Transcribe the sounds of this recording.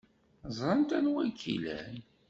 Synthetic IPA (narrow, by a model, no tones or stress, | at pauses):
zˤɾˤənt̪ænwækʰːḭlæ̰n